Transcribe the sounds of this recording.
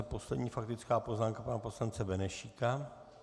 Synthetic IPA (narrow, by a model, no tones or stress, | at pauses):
ɛpo̞slɛdɲiːfak̚t̪ɪt͡skaːpo̞znaːmkapanapo̞slant͡sɛbɛnɛʃika